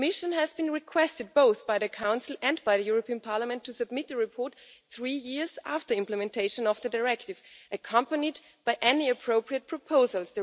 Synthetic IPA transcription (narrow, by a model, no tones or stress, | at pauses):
mɪʃə̃nɨzbɨ̃nɹɪkʰw̥ɛstɨd̚boʊθb̥aɪðɨkʰãʊ̃nsl̩ˠɨ̃nbaɪðɨjuɹopʰiə̃npʰɑɹləmɛ̃ntʰːusɨb̚mɪt̪̚ðɨɹɨpʰɔɹt̪θɹijɪɹzæ̰ftə˞ɪ̃mpləmɛ̃ntʰeɪʃə̃nʌvðɨdaɹɛk̚tɨvʔɨkʰʌ̃mpənid | b̥aɪʔɛniɨpʰɹ̥oʊpɹiɨt̚pʰɹ̥ɔpʰoʊzəlˠsðɨ